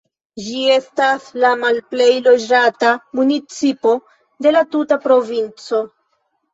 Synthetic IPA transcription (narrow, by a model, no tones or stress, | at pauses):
d͡ʒie̞staslamalple̞jlo̞d͡ʒatamunit͡sipo̞ | de̞latutapɾo̞vint͡so̞